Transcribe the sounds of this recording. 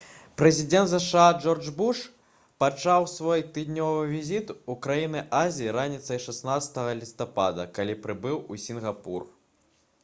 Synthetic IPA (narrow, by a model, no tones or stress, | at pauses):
pɾɛzʲid̪ʲɛnt̪zɐʂad͡ʐɔrd͡ʐbuʂ | pat͡ʂawsvɔjt̪ɨd̪nʲɔvɨvʲizʲit̪ukɾajinɨʔazʲiiɾanʲit̪sɐjʂasnat̪sɐ̥t̪ɐɣɐlʲist̪apad̪ɐkalʲipɾɨbɨwusʲinɣapur